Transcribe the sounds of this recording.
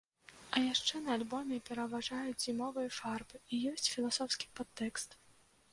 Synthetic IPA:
ɐjaʂt͡ʂɛnɐːlʲbɔmʲɛpʲɛɾɐvaʐajud͡zʲzʲimɔvɨjɐfarbɨijɔsʲt͡sʲfʲilˠasɔwskʲi̥pat̪ːɛkst̪

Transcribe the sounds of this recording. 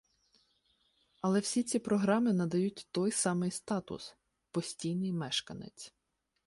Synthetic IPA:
ɐlˠɛwsʲit͡sʲipɾɔɦɾɑmɪnɐd̪ɐjutʲt̪ɔjsɑmɪjst̪ɑt̪ʊ̰s | pɔsʲtʲijnɪjmɛʃkɐnɪ̰t͡sʲ

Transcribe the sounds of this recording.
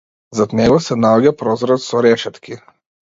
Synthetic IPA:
zad̪nɛɡɔsɛnaɔɟapɾɔzɾat̪sɔɾɛʃɛt̪kʲi

